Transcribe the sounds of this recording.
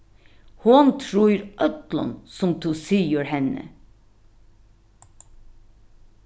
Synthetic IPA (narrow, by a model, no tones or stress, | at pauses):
hunt̪ʰɾuːɾʔœt̪lɑ̰nsɔmt̪ʰusiːəɾhɛnə̰